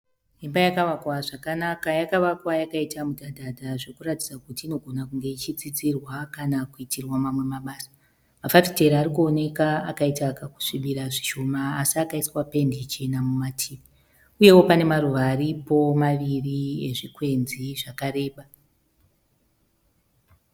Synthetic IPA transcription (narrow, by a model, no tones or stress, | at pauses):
ɦimbajakaʋakwaʐakanakajakaʋakwajakaitamudʱadʱadʱaʐekuratid͡zakutiːno̞ɡʱo̞nakuŋɡe̞it͡ʃit͡sit͡sirwakanakuitirwamamwe̞maɓaːsḁ | mafapi̥te̞ɾaɾikuone̞kaakaitakaku̥ʂiɓiɾaʐiʃo̞maːsiakaiswape̞ndit͡ʃe̞namumatʰiːʋi | uje̞wo̞pane̞maruʋaːɾipo̞maʋirie̞̰ʐikwe̞nziʐakaɾe̞ːɓa